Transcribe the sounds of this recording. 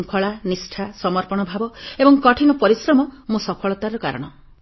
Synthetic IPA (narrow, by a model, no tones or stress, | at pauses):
ŋkʰɔɭanisʈʰasɔmɔɾpɔɽ̃ɔbʱabɔebɔŋkɔʈʰinɔpɔɾisɾɔmɔmusɔpʰɔɭɔt̪aɾɔkaɾɔɽ̃ɔ